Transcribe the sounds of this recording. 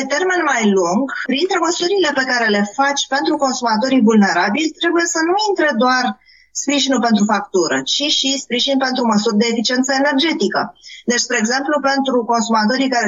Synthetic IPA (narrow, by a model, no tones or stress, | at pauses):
pet̪e̞rme̞nmajluŋɡpɾint̪ɾeməsuɾile̞pe̞kaɾe̞le̞fat͡ʃʲpe̞nt̪ɾuko̞nsumat̪o̞ɾivulne̞ɾabilʲt̪ɾe̞buje̞sənuint̪ɾe̞d̪oar | spɾiʒinulpe̞nt̪ɾufak̚t̪uɾə̰t͡ʃiʃispɾiʒinpe̞nt̪ɾuməsurʲd̪e̞ːfit͡ʃie̞nt̪səene̞rd͡ʒe̞t̪ikəd̪e̞t͡ʃspɾeːɡze̞mplupe̞nt̪ɾuko̞nsumat̪o̞ɾikaɾe